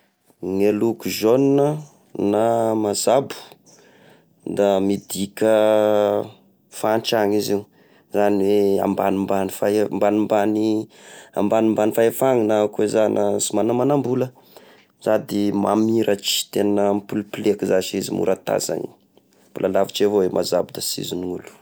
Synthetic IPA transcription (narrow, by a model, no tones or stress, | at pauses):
ŋelukuʒonnə | namazabu̥ | d̪amid̪ikʲə | fanʈ͡ʂaŋiziu | zaniwea̰mbanimbanifambanimbani | a̰mbanimbanifaefaŋinakezanasumanamanambulə | z̥ad̪imamiɾat͡ʃi̥t̪enəmpuluplekizat͡ʃizḭmṵɾat̪a̰za̰nḭ | bulalavit͡ʃevowemʔazabud̪asḭziniulu̥